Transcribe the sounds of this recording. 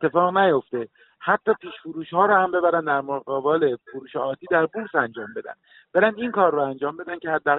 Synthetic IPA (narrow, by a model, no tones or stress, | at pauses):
et̪ʰːe̞fɒːɣnæjo̞ft̪e̞ | hæt̪ʰːɒːpʰiːʃfuɾuːʃhɒːɾohæmbebæɾænd̪æɾmoɣɒːbɒːlefoɾuːʃɒɒːt̪ʰiːd̪æɾbuɾsænd͡ʒɒːmbe̞d̪æ̰n | b̥e̞ɾænd̪iŋkʰɒːɾːoænd͡ʒɒːmbe̞d̪æncʰehæd̪ːæː